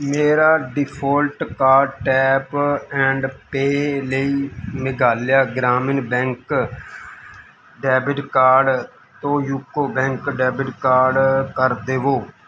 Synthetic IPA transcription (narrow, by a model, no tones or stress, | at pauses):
meːɾaːɖɪpʰoːlʈkaːʈɛːpɛ̃ːɳɖpeːləiːmɪɡaːljaːɡɾaːmɪnbɛ̃ːŋk | ɖɛːbɪʈkaːɾɖ | t̪õːjuːkːoːbɛ̃ŋkɖɛːbɪʈkaːɾɖkəɾd̪eːʋoː